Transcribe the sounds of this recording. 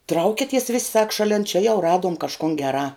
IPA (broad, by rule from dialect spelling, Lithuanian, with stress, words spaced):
ˈtrɐʊkʲɪtʲiɛs ʋʲɪsʲ sɐk ʃɐˈlʲɛn t͡ʃʲɛ jɛʊ ˈrɑːduɔm kɐʃˈkʊn ɡʲɛˈrɑː